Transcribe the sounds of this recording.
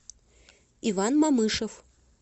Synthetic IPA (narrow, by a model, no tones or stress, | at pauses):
ivanmamɨʂɐw